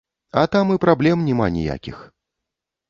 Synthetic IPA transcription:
ɐt̪amɨpɾablʲɛmnʲɛma̰nʲɛ̰ja̰kʲix

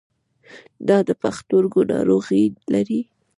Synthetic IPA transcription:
d̪ɑd̪əpaxt̪oɾɡonɑ̰ɾoɣilaɾi

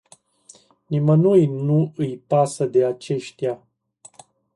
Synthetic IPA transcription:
nimənujnuɨjpasəd̪e̞at͡ʃe̞ʃt̪ja

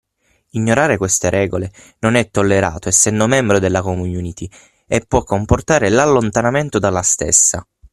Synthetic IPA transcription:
iɲːoɾaːɾekwest̪eɾʔɛːɡole | nonɛt̪ːolːeɾa̰ːt̪oɛsːɛnd̪omɛmbɾod̪elːakomununit̪i | epːwɔkːomport̪aːɾelalːont̪anament̪od̪alːast̪ḛsːa

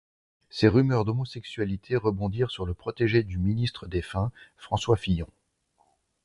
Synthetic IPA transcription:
seʁymœʁd̪ɔmɔsɛksɥalit̪ʰeʁəbɔ̃d̪iʁsyʁləpχɔt̪eʒed̪yminist̪χəd̪efɛ̃fχɑ̃swafijɔ̃

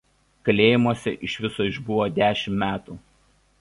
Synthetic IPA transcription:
kɐlʲeːjɪmuɔsʲɛʔɪʃʲʋʲɪsoɪʒbʊʋoːd̪ʲæːʃʲɪmmʲæːt̪uː

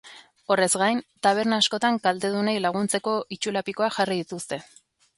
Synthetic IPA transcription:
o̞re̞zɡajnt̪aβ̞e̞ɾnaːsko̞t̪aŋkald̪e̞ðunejlaɣ̞unt͡se̞ko̞ʔit͡ʃulapiko̞axariðit̪ust̪e̞

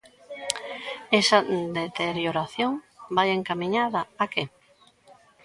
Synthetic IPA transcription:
ɛsɐd̪et̪eɾjoɾaθjoŋbajeŋkamĩɲaðɐːke

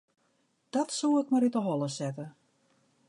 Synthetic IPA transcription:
d̥ɔtsuɪkmaɾitəɦɔlˠəsɛtə

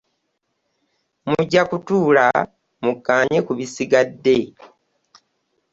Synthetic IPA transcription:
muɟːakutuːla̰ | mukːaːɲekuβisiɡadːe̞

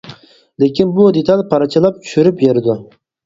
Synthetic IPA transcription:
lekʲʰinbud̪et̪ʰɑlʲpʰɑɾɑt͡ʃʰɨlˠɑp̚t͡ʃʰy̥ʃyɾypjeɾɪd̪ʊ

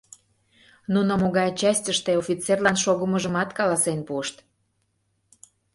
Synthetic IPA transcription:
nunomoɣɑjot͡ɕæsʲtʲəʃt̪eofʲit͡serlɑnʃoɣəməʒəmɑt̪kɑlɑsenpuəʃt̪

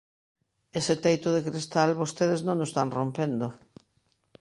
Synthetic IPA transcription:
esɪt̪ejt̪ʊðekɾist̪alβost̪eð̞eznõŋnost̪anrompend̪o

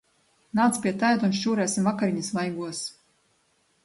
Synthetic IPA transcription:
naːt̪spʲiɛt̪ajd̪unʃt͡ʃuːɾæːsʲimvakaɾiɲisvajɡuɔs

